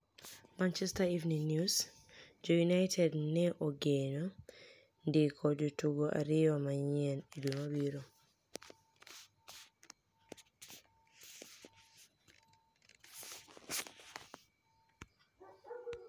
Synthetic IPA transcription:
mant͡ʃɛstaivniŋnjus | d͡ʒojunajtʰɛdnɛʔoɡeno | ndɪkʰɔd͡ʒotuɡoʔa̰ɾɪɔmaɲɛnidumabiɾo

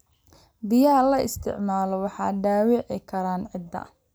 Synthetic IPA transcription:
bɪjaːlɐɪst̪ʰɪ̰ʕmaːlɔwɑħɑ̰ːɖaːwɪʕɪkʰɐɾaːnʕɪd̪ːɐ̰

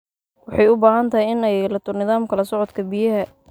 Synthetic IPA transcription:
wɑħɑjʊbaːhɐnt̪ʰɐhɪjɪnɛjlɐt̪ʰʊrnɪðaːmkʰɐlɐsɔʕɔd̪kʰɐbijɐɦɐ

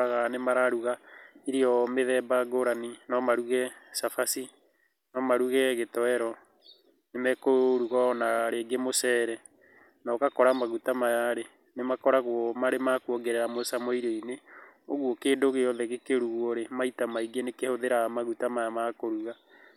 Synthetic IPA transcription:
aɣanemaɾaɾuɣaiɾiɔmeðɛbaɡoɾaninɔmaɾuɣɛsafasi | nɔmaɾuɣɛɣetɔɛɾɔ | nemɛkoɾuɣɔnaɾeːɡemosɛːɾɛ | nakakɔɾamaɣutamajaɾe | nemakɔɾaɣwɔmaɾemakwɔɡeɾɛɾamosamɔiɾeineoɣwokeːndoɣejɔðɛɣekeɾuɣwoɾemaitamaiɡenekehoðeɾamaɣutamajamakoɾuɣa

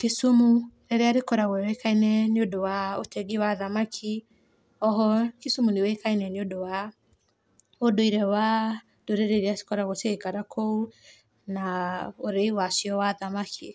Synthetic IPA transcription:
kesumuɾeɾeaɾekɔɾaɣwɛwekainɛneodowaotɛɡiwaðamakʰi | ɔɦɔkesumunewekainɛneodowa | odoiɾɛwa | doɾeɾeɾease̥kɔɾaɣoseːkaɾakʰou | naoɾeiwasjɔwaðamakʰi

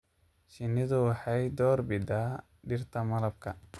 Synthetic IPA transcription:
ʃɪnːɪðʊwɑħɑjd̪ɔːrbɪd̪aː | ɖɪrt̪ʰɐmɐlɐb̚kʰɐ

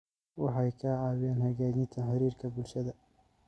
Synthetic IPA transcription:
wɑħɑjkʰɐʕɑːwɪjaːnhɐɣaːd͡ʒɪnt̪ʰɐħɑɾiːrkʰɐbʊlʃɐðɐ

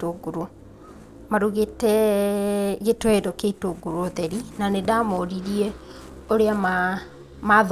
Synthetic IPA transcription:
oɡuɾo | maɾuɣetɛ | ɣetwɛdɔkeitoɡuɾoðɛɾinanedamɔɾiɾiɛ | oɾeama | mað

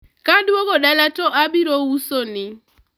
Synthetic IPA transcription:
kadwoɡɔɗalatɔʔabiɾousonɪ

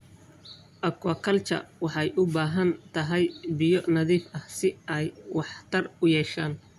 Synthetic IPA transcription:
ʔɐkʰɐkʰɐlt͡ʃʰɐ̰wɑħɑjʔʊbaːɦɐnt̪ʰɐɦɛjbɪjɔnɐðiːfɐhsɪɛjwɑħt̪ʰɐrʊjɛːʃaːn

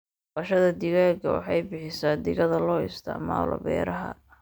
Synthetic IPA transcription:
bɐʃɐðɐd̪ɪɣaɡɐwɑ̰ħɑjbɪħɪsaːd̪ɪɣɐðɐlɔːɪst̪ʰɪ̰ʕma̰ːlɔ̰bɛ̰ːɾɐɦɐ̰

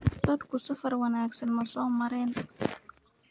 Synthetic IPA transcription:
d̪ɐd̪kʰʊsɐfɐrwɐnaːɡsɐnmɐsɔːmɐɾɛːn

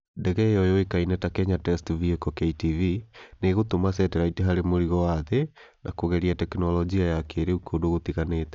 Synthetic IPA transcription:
ndɛɣɛjɔjɔekainɛtakɛɲatɛstviekɔkɛitivineɣotomasɛtɛɾaiteɦaɾemoɾiɣɔwaðe | na̰koɣɛɾiatɛkinɔlɔd͡ʒiajakeɾeukodoɣotiɣanetɛ̥

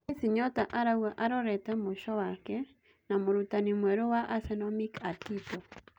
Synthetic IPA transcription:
esiɲɔtaʔaɾauaʔaɾɔɾɛtɛmoʃɔwakɛ | namoɾutanimwɛɾowaʔasɛnɔmikatitɔ

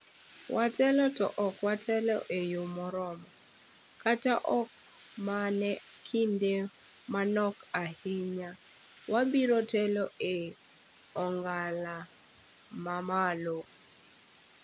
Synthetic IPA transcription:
wʔatɛlɔtɔ̰ʔɔkwatʰɛlɔʔejomɔɾɔmɔ | kataʔɔk̚ | manɛ | kʰinde | manɔkahɪɲa | wabiɾɔtɛlɔe | ɔŋɡala | mamalo

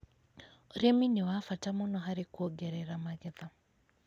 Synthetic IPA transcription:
oɾeminewafatamɔnɔɦaɾekwɔɡɛɾɛɾamaɣɪða

